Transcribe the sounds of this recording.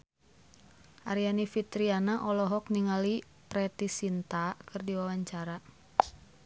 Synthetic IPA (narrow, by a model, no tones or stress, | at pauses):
ʔaɾianifit̪ɾianaʔɔlɔɦɔk̚niŋali | pɾɛt̪isint̪akɨrdiwawaɲt͡ʃaɾa